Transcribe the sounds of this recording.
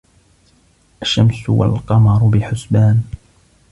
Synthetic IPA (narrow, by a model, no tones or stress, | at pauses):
ʔaʃːamsʊwa̰lqɑmɑɾˤʊbɪħʊsbaːn